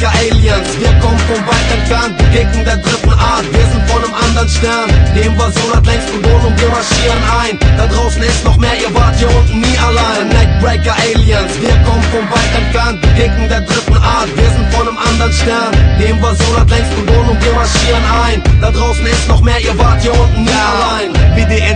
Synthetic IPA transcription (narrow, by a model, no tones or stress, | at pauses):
kɐʔeːliənsv̥iːɐkʰɔmənfɔnvaɪtɛntfɛɐnb̥əɡɪŋkŋdeːɐdʁɪtn̩ʔaːɐtv̥ɪɐzɪn̩tfɔndemʔandɐʁənʃtɛɐnd̥eːmvaːɐzonaːtlɛŋstb̥əloːənʊŋviːɐmaʃiːʁənʔaɪnd̥aːdʁawsn̩ɪstnɔχmeːivaːtjontnialaɪmɛkbɹeɪkəʔeɪliənsviːɐkɔmənfɔnvaɪtənfɛntbəkɪŋkŋ̩dɛːɐdʁɪtn̩ʔaːtveːzn̩fɔndəmʔandəʁənstɛɐnd̥eːmvaːzoːnatlɛŋstɡ̥əloːənʊmiːmaʃiːənɛɪnd̥aːdʁaʊsn̩ɪsnɔχmeːivaːtjoi | laɪnmɪde